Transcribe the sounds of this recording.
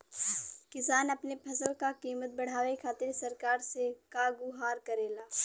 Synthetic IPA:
kɪsaːnɐpnepʰɐsəlkakiːmət̪̚bɐɽ̤aːʋekʰaːt̪ɪɾsɐɾkaːɾsekaːɡuɦaːɾkɐɾeːlaː

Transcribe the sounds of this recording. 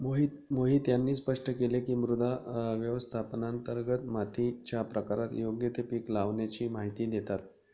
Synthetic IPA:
moɦit̪moɦiːt̪janːiːspəʂʈʰəkelekiːmɾud̪ʱaʋjəʋəst̪ʰapnant̪əɾɡət̪mat̪ʰit͡ɕjapɾəkaɾat̪joɡjət̪epiːklaʋnjat͡ɕiːmaɦit̪iːd̪et̪at̪

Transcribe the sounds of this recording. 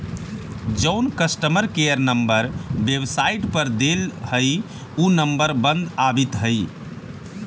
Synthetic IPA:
d͡ʒəʊnkəsʈəməɾkejəɾnəmbəɾbebsaiʈpəɾd̪elhəj | unəmbəɾbə̃nd̪abit̪ɦəɪ

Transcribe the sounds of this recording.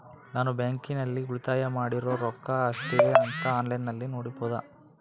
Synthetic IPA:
naːnubaːŋkinɐlːiuɭit̪aːjɐmaːɽiɾoːɾɔkːɐːsʈiɾiɐnt̪ɐaːnlɐjnːɐlːinoːɽipoːd̪ɐ̰

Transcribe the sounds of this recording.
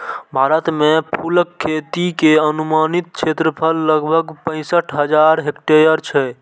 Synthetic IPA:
bʱaɾət̪mepʰulkʰːet̪ikeənumanit̪̚t͡ʃʰet̪ɾəpʰəlːəɡbʱəɡpə̃ɪ̃səʈʰɦəd͡ʒaɾɦekʈejəɾt͡ʃʰɛ

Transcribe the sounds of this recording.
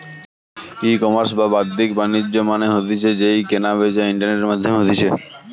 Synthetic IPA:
ikɔməɾs̬babadd̪ikbanid͡ʑːomaneɦot̪it͡ɕʰed͡ʑejkenabed͡ʑaiɳʈaɾneʈeɾmad̪ʱjomeɦot̪it͡ɕʰe

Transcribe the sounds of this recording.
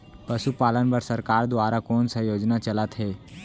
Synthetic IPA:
pəʃupaːlənbəɾsəɾkaːɾd̪ʋaːɾakoːnsajoːd͡ʒnat͡ʃəlat̪ɦeː

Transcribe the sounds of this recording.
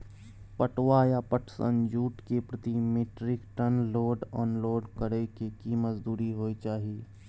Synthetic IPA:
pəʈwajapəʈʰsə̰nd͡ʒuːʈkepɾət̪imeːʈɾɪkʈənloːɖɔːnloːɖkəɾekekiːməzd̪uːɾiɦoːit͡ʃaːɦieː

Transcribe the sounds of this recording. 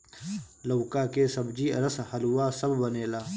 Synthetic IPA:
lɐːkaːkeːsɐbd͡ʒiːɐɾəshɐluwaːsɐbbɐneːlaː

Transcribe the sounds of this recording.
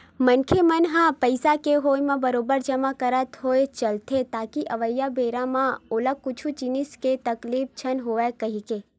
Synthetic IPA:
mɐnkʰemɐnɦãpəɪsakeɦoːjmãbɐɾoːbəɾd͡ʒɐmakɐɾət̪ɦoːet͡ʃɐlt̪ʰet̪aːkiʔɐʋəjːabeːɾamãoləkʊt͡ʃʰut͡ʃinisket̪ɐkliːp̚t͡ʃʰɐnɦoːekɐɦikeː

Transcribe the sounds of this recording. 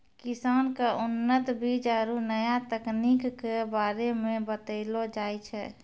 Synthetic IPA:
kɪsaːnkaʊnːət̪bʱid͡ʒaɾunəjat̪əkniːkːebaːɾemẽbət̪əɪlod͡ʒaːjt͡ʃʰɛː

